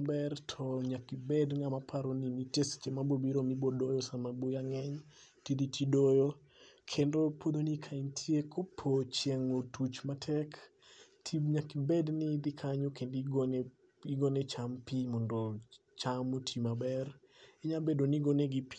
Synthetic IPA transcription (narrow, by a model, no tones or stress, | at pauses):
bɛrtʰɔɲakibɛdŋamapʰaɾoninitest͡ʃemabobiɾomibodojɔsamabojaŋɛɲ | tid̪itʰidojo | kʰendopod̪onikʰaintʰjekʰopʰot͡ʃjeŋotut͡ʃmatʰɛk | tʰiɲakibɛdnid̪ɪkʰaɲokendiɡn | iɡonet͡ʃampimɔndɔ | t͡ʃamotʰimabɛr | ɛɲabedoniɡoneɡipi̥